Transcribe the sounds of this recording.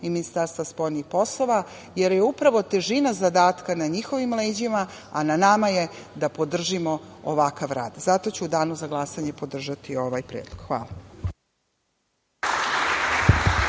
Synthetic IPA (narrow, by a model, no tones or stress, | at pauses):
iminist̪aɾst̪vaspo̞jnixpo̞slˠo̞ʋa | je̞ɾjeupɾaʋo̞t̪e̞ʒinazad̪aːt̪kanaɲixo̞ʋimleːd͡ʑima | ananamaje̞ | d̪apo̞d̪r̩ʒimooʋakaʋɾa̰ːd̪zat̪o̞t͡ɕuud̪aːnuzaɡlˠasaɲe̞po̞d̪r̩ʒat̪io̞ʋajpɾeːd̪lˠoɡ̥xʋaːla